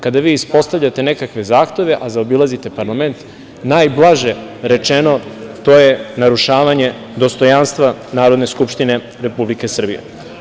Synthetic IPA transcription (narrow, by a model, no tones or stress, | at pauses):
kad̪aʋiːispo̞st̪avʎat̪e̞ne̞kakʋe̞zaːxt̪e̞ʋe̞ʔazaobilˠazit̪e̞paɾlˠame̞nt̪ | naːjblˠaʒeɾe̞t͡ʃe̞no̞t̪o̞ːje̞naɾuʃaːʋaɲe̞ | d̪o̞st̪o̞janst̪ʋanaːɾod̪ne̞skupʃt̪ine̞ | ɾe̞publike̞sr̩bijḛ